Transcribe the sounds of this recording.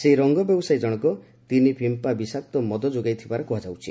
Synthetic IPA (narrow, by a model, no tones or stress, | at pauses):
seiɾɔŋɡɔbjɔbɔsajd͡ʒɔɽ̃ɔkɔ | t̪inipʰimpabisak̚t̪ɔmɔd̪ɔd͡ʒoɡajt̪ʰibaɾɔkɔɦad͡ʒawt͡ʃʰi